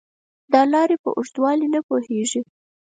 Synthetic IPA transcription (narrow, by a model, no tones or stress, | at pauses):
d̪ɑlɑɾepə̰ʔʊʂt̪wɑlinapoheʒi